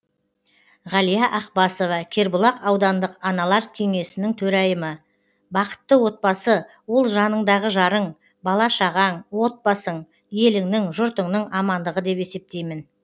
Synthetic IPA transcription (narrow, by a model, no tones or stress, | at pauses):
ʁɑlijɑʔɑq̚bɑso̞vɑkʲʰe̞ɾbʊlˠɑqɑwd̪ɑnd̪əqɑnɑlˠɑɾkʲʰe̞ŋe̞sɪnɪŋt̪ʰɵɾɑjəmə | bɑqə̥t̪ːəwo̞t̪̚bɑsə | wo̞lˠʒɑnəɴd̪ɑʁəʒɑɾəɴ | bɑlˠɑʃɑʁɑɴwo̞t̪̚bɑsəɴ | je̞lɪŋnɪŋʒʊɾt̪əɴnəɴɑmɑnd̪əʁəd̪e̞pe̞se̞p̚t̪e̞jmɪn